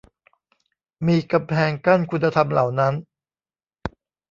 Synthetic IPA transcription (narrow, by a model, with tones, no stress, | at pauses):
miː˧ka˧mpʰɛː˧ŋka˥˩nkʰu˧nːa˧t̪ʰa˧mla˨˩wna˦˥n